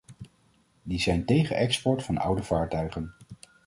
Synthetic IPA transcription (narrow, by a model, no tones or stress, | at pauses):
dizɛjntejχəʔɛkspɔɹtfɑnʌ̰wdəv̥aːɹtœɥχən